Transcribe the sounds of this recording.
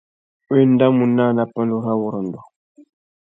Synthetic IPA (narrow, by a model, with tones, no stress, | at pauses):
e˦n˦da˦mu˨nːa˦˨na˨pa˦ndu˦ɾa˦wu˨ɾə˨ndɔ˨